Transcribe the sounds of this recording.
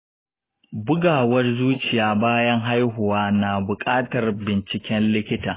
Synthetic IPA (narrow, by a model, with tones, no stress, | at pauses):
bʊ˦ɡaː˨wɐ˦rzuː˦t͡ʃɪ˨jaː˦baː˦jɐ˦ŋɦa˦jɦʊ˨waː˦naː˨bʊ˨kʼaː˦tɐ˨rbɪ˨nt͡ʃɪ˨kʲɛ˦nlɪ˦kʲɪ˦taː˨